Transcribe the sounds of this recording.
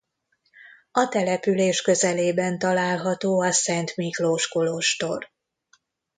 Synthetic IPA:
ɒt̪ɛlɛpyleːʃkø̞zɛleːbɛnt̪ɒlaːlɦɒt̪oːɒsɛnt̪mikroʃkoloʃt̪o̞r

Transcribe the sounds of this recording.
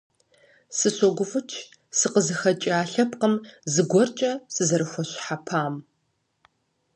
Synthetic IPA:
sɨsɔɡʷʊfɨt͡ʃʰ | sɨqəzɨxɐt͡ʃʼiaːɬɐp̚qəmzɨɡʷɔrt͡ʃʼɐsɨzɐɾɨxʷɔɕħapʰaːm

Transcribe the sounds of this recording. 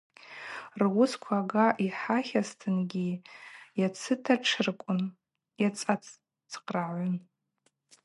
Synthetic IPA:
rwʊskʷʰaɡaʔiħaχʲastʰɨnɡʲijat͡sʰɨtʰaʈ͡ʂʰɨrkʷʼʊn | jat͡sʼat͡sʼ | t͡sʰqʼraʕʷʊn

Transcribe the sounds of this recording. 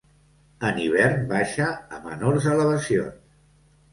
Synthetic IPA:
əniβ̞ɛɾnbaʃəːmə̰noɾzələβ̞əsions

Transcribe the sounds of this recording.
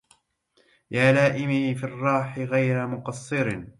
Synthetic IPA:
jaːlaːʔɪmɪfirˤːɑːħɪɣajɾamʊqɑsˤːɨɾ

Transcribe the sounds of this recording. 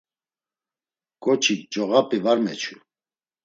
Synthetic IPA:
ɡ̥ɔt͡ʃʰikd͡ʒɔɣapʼivaɾmɛt͡ʃʰu

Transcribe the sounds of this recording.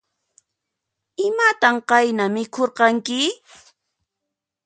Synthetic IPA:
ɪmat̪amqɑjnamɪkʰoɾqɑŋkɪ

